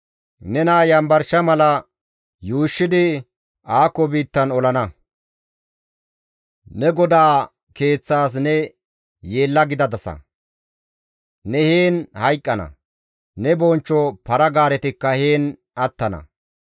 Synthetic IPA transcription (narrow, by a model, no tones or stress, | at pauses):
nɛnaːjɐmbɐɾʃɐmɐlɐ | juːʃːɪd̪ɪ | aːkːɔbiːt̪ːɐnɔlɐnɐ | nɛɡɔd̪aː | ke̞ːt͡sːaːs̬nɛ | jeːlːɐɡɪd̪ɐd̪ɐsɐ̰ | nɛheːnhɐjkʼːɐnɐ̰ | nɛbɔnt͡ʃːɔpɐɾɐɡaːɾɛt̪ɪkːɐheːn | ɐt̪ːɐnɐ̰